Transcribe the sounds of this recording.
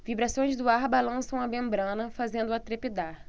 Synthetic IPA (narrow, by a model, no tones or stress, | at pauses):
vibɾasõj̃zd̪ʊaɾbalɐ̃sɐ̃w̃ɐmẽmbɾɐ̃nɐfazẽnd̪ʊat̪ɾepid̪aɾ